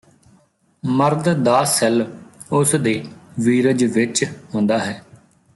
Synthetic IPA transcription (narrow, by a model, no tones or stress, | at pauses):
məɾd̪d̪aːsɛl | ʊsd̪eːʋiːɾəd͡ʒʋɪt͡ʃɦõnd̪aːɦɛː